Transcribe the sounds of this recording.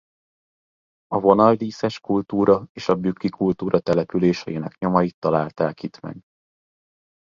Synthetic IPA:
ɒvo̞nɒldiːsɛʃkult̪uːɾɒeːʃɒbykːikult̪uːɾʔɒt̪ɛlɛpyleːʃɛ̰jenɛkɲo̞mɒjit̪ːɒlaːlt̪ɛlkit̪mɛ̰ɡ

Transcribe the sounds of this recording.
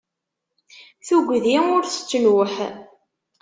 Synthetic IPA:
θuɡʷðiʊɾθə̥t͡sːənwəħ

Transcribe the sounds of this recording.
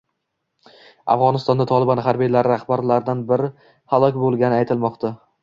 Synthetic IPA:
a̰fʁɒnɪst̪ɒnd̪at̪ʰɒlˠɪbɒnɦaɾbijlaɾɪɾahbaɾlaɾd̪anbɪɾɪ | halˠɒkʲbolˠɡʲanɪajt̪ʰɪlmɒqt̪ʰa

